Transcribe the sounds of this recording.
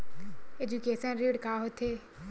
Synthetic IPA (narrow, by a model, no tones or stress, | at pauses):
ed͡ʑukeːsãnɾiːɽkaːɦot̪ʰeː